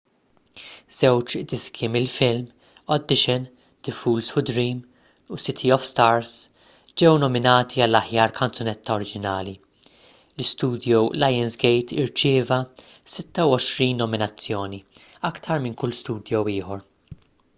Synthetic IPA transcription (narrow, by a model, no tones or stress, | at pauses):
z̥ɛwt͡ʃd̪ɪskʰimɪlfɪlm | ɔd̪ːɪʃɛn | d̪̥ɪfuːlshʊd̪ɾiːm | usɪt̪ʰiɔfst̪ɐɾs | d͡ʒɛwnɔmɪnɐːt̪ʰiɐlːɐħjɐːɾkʰɐnt͡sɔnɛt̪ːɐɔɾɪd͡ʒɪnɐːli | lɪst̪uːd̪jɔwlɐjɛnsɡɛjt̪ɪɾt͡ʃɪːvɐ | sɪt̪ːɐwɔʃɾiːnːɔmɪnɐt͡sːjɔːniɐkt̪ʰɐɾmɪnkʊlːst̪uːd̪jɔwɪːħɔɾ